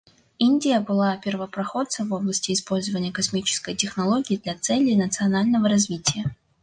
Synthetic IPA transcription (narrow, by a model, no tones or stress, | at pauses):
inʲdʲɪjəbɨlˠapʲɪrvəpɾɐxo̞t̪səvo̞blˠəsʲtʲɪːspo̞lʲzəvənʲɪjəkɐsmʲit͡ɕɪ̥skəjtʲɪxnɐlˠoɡʲɪːd̪lʲat̪sɛlʲːɪnət̪sɨɐnalʲnəvəɾɐzvʲitʲɪjə